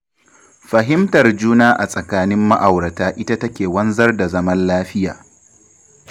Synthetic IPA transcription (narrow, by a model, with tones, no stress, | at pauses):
ɸɐ˨ɦɪ˦mtɐ˨rd͡ʒuː˦naː˦ʔa˨sʼɐ˨kaː˦nɪ˦mːa˦ʔa˨wɾɐ˨taː˦ʔɪ˦ta˦tɐ˦kʲeː˨wɐ˦nzɐ˦rda˨zɐ˦mɐ˦nlaː˦ɸɪ˦jaː˨